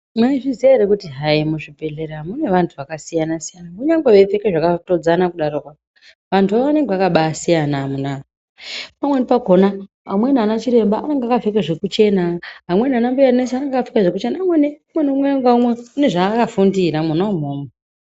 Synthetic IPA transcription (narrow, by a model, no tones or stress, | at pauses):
maiʐizieɾekutiɦaimuʐipe̞ɮe̞ɾamune̞ʋantʰuʋakasijanasijanakuɲaŋɡeʋefe̞keʐakato̞d͡zanakuɗaɾokwa | ʋantʰuʋaʋoʋane̞ŋɡeʋakaɓasijanamuna | pamwenipaɡʱo̞na | amwe̞nanat͡ʃiɾe̞mbaane̞ŋɡeakave̞keʐe̞kut͡ʃe̞naɦamwe̞nanambuanesanaŋɡakafi̥kaʐekut͡ʃe̞namweneumweneumweaŋɡaumwe̞une̞ʐakafundiɾamunaum̤uːme